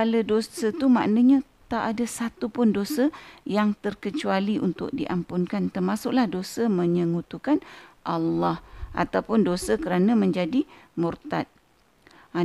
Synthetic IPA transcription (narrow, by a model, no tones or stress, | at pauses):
alədosət̪umã̰ʔnãɲã | t̪aʔadasat̪upʊndosəjaŋt̪ərkət͡ʃualiʔunt̪ʊ̰k̚diʔampʊnkant̪ərmasʊklahdosəmə̃ɲəŋut̪ukanʔalːɑhʔa̰t̪awpʊndosəkəɾanãmə̃ɲd͡ʒadimurt̪at̪̚